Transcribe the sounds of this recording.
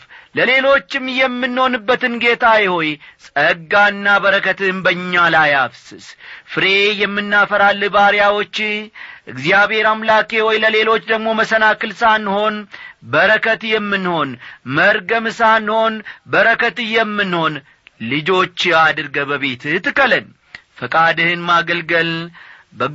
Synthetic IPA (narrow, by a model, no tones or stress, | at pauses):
ləle̞lo̞t͡ʃːɪmːjɛmːɨnho̞nɨbːət̪ɨnɡe̞t̪ʰajɪho̞jsʼəɡaɨnːabəɾəkʰət̪ɨnbəɲːalajafsɨsfɨɾe̞jɛmːɨnːafəɾalːɨbaɾjawo̞t͡ʃːɪʔɨɡzijaβhe̞ɾamlake̞hojləle̞lo̞t͡ʃːd̪əɡmo̞məsənakɨlsanho̞nbəɾəkʰət̪jɛmːɨnho̞nməɾɡəmɨsanho̞nbəɾəkʰət̪ɨjɛmːɨnho̞n | lɨd͡ʒo̞t͡ʃːad̪ɨɾɡəbəβe̞t̪t̪ɨkːələn | fəkʼad̪ɨhɨnmaɡəlɡəl | bə